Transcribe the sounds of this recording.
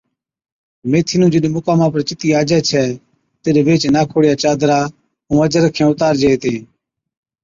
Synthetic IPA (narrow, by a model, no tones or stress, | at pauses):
meːt̪ʰiːnũːd͡ʒɪɗẽːmʊkaːmãːpəɾt͡ʃɪt̪iːaːd͡ʒɛːt͡ʃʰɛː | t̪eːɗeːʋeːt͡ʃnaːkʰoːɽjaːt͡ʃaːd̪ɾaː | ũːəd͡ʒəɾəkʰːẽːʊt̪aːɾd͡ʒeeːt̪eː